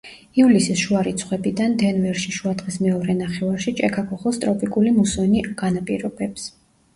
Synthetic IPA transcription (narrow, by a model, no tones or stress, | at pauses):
iulisisʃuaɾit̪sʰχwɛbid̪and̪ɛnvɛɾʃiʃuad̪ʁismɛɔɾɛnaχɛvaɾʃit͡ʃʼɛkʰakʰɔχɛlˠst̪ʼɾɔpʼikʼulimusɔniɡ̥anapʼiɾɔbɛps